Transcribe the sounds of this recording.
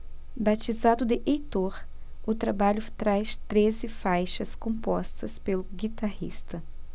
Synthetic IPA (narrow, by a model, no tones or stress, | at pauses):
bat͡ʃizad̪ʊd̪ɪʔejt̪oɾʊt̪ɾabaʎʊt̪ɾajst̪ɾezɪfajʃɐskõpɔst̪ɐspelʊɡit̪ahḭst̪ɐ